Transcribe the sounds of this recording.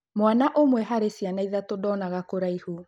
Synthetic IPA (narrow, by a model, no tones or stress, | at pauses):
mwanaʔomwɛɦaɾesianaiðatodɔnaɣakoɾaihu